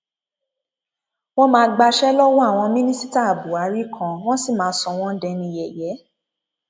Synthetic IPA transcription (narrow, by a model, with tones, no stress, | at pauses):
w̃ɔ̃˦mãː˧˦ɡ͡ba˧ʃɛ˦lɔ˦wɔ̃˦a˦˨w̃ɔ̃˧mĩ˦nĩ˦si˦ta˦a˨bu˨a˨˦ɾi˦kʰã˧w̃ɔ̃˦si˦˨mãː˨˦sɔ˧w̃ɔ̃˦dɛ˧nĩ˧jɛ˨jɛ˨˦